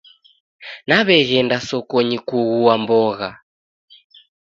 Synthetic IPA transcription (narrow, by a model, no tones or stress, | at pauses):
naβɛɣɛndasɔkɔɲikuɣuambɔɣa